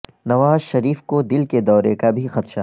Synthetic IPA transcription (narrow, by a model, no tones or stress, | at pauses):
nɐʋaːzʃɐɾiːfkod̪ɪlked̪ɔːɾekabʱixɐt̪ʃa